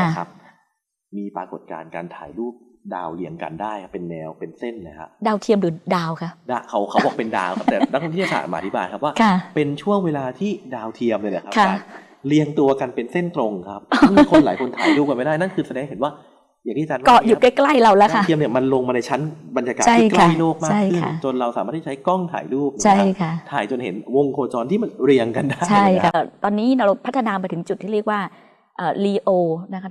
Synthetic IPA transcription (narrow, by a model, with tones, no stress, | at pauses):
a˦˧˩kʰa˦˥p̚ | miː˧pɾaː˧ko˨˩t̪̚ka̰ː˧nka̰ː˧nt̪ʰa̰ː˩˦jluː˥˩p̚ | da̰ː˧wli˧əŋka̰˧ndaː˥˩jkʰa˦˥pːe˧nːɛː˧wpe˧nse˥˩nləː˧˦jkʰa̰˦˥p̚daː˧wt̪ʰi˧əmɾɯː˨˩˦daː˧wkʰa˦˥p̚daː˧˩kʰa˦˥wkʰa˦bɔː˨˩k̚pe˧nda̰ː˧wkʰa˥p̚t̪ɛː˨˩na˦˥kʰːo˧t̪ʰiː˥˩˧sa̰ː˨˩maː˧t̪ʰi˦˥baː˧jkʰp̚waː˥˩kʰa˥˧˩pe˧nt͡ɕʰu˥˩əŋweː˧laː˧t̪ʰiː˥˩daː˧wt̪ʰi˧əmni˧˥˩lə˦kkkʰa˥˩˧ | li˧əŋt̪u˧ɐka˧npe˧nse˥˩nt̪ɾo˧ŋkʰa˦˥p̚kʰo˧nlaː˨˩˦jkʰo˧nt̪ʰaː˨˦luː˥˩p̚ka˧nma˥jda˥˩jna˥˩nkʰɯː˧sadɛː˧ŋɦe˩˦nwaː˥˩ | jaː˨˩ŋʰiː˥˩t͡ɕaː˧nwkɔ˨˩ju˨˩ka˥˩jkla˥˩jɾa˧wlɛː˦˥kʰa˧˥˩i˧mni˧˩ɐma˧nlo˧ŋma˧na˧jt͡ɕʰa˦˥nba˧nja˧ka̰ː˨˩t͡ɕʰa˥ijklʰa˥˩˥jloː˥˩k̚mat͡ɕːa˥˩kjʰɯkʰa̰˥˩t͡ɕo˧nɾa˧wsa̰ː˨˩˦aː˥˩t̪ʰːt͡ɕʰjkɔ˥˩ŋt̪ʰa̰ː˨˩˦jluː˥˩p̚nː˧t͡ɕʰa˥˩jkʰa˥˩t̪ʰaː˨˩˦jt͡ɕo˧nhḛ˩˦nwo˧ŋkʰoː˧t͡ɕɔː˧nt̪ʰiː˥˩ma˧nɾi˧əŋka˧nda˥˩t͡ɕʰjkʰa˦˥˨t̪ɔː˧nːiː˦˥na˧wɾpʰt̪ʰːnaː˧pa˧jt̪ʰɯ˩˦ŋt͡ɕu˨˩t̪ʰːiː˥ɾi˥˩ək̚waː˥˩ | ʔɤː˨˩liː˧ʔoː˧na˦˥kʰa˦